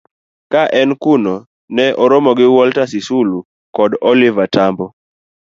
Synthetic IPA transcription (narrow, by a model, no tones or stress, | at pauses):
kaʔɛnkunɔ | nɛʔɔɾɔmɔɡɪwɔltasisulu | kɔdɔlivatambɔ